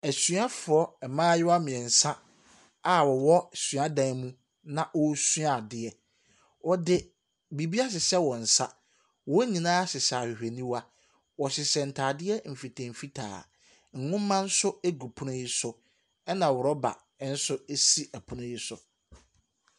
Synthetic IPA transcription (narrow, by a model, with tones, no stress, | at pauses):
æ˨sɥa˦fʊ˨ɔ˦ɛ˨mãː˦jɪ˦wa˦mɪ̃˨ɛ̃˨n̩˨sã˦ | a˨wɔ˨wɔ˦˨sɥa˦dã˦mũ˦ | nã˨ʔɔ˦su˦a˨dɪ˦ɛ˦ | wɔ˨dɪ˨ | bi˨bi˦a˦s̬ɪ˨sɛ˦wɔ̃˨n̩˨sa̰˦ | wɔ˦ɲĩ˨nãː˦sɪ˨saː˨hi˨he˨nĩ˦wa˦ | wɔ˨sɪ˨sɛ˨n̩˨tʰaː˨dɪ˦ɛ˦m̩˨fi˨tʰɛ̃˨m̩˨fi˦tʰa̰ː˨ | ŋ̩˨ŋʊ̃˦m˦mã˦n̩˦sʊ˦e˦ɡu˨pʰʊ̃˦nʊ̃˦ji˦sʊ˨ | ɛ˦nã˨wʊ˨ɾɔ˦ba̰˨˦ | n̩˦sʊ˦e˦si˦æ˨pʰʊ˦nʊ̃˦ji˦sʊ˨